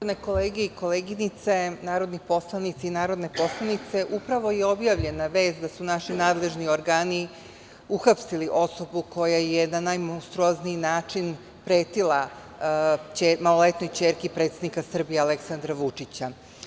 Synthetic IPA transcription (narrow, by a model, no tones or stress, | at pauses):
od̪neko̞leːɡeiko̞leːɡinit̪se̞naːɾo̞d̪nixpo̞slˠanit̪siinaːɾo̞d̪ne̞po̞slˠanit̪se̞ʔupɾaʋo̞jeo̞bjaʋʎe̞naʋe̞ːsd̪asunaʃinaːd̪le̞ʒnioɾɡaːni | uxapsiliʔo̞so̞bukʰo̞jajenanajmõwst̪ɾuozniːnaːt͡ʂin | pɾeːt̪ilˠa | t͡ɕemalole̞t̪no̞jt͡ɕeːɾkipɾet̪sed̪nikasr̩bijeale̞ksand̪ɾaʋut͡ʂit͡ɕa